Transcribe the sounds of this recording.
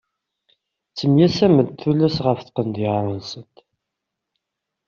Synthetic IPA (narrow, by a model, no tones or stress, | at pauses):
t͡sːəmjæsæməd̪̚θulːæsʁəfθqənd̪jəʁɾˤənsənt̪